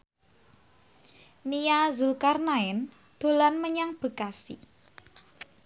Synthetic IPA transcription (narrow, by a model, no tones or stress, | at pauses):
niazulkarnaɪn | d̪̥o̤lanməɲaŋb̥ə̤kasḭ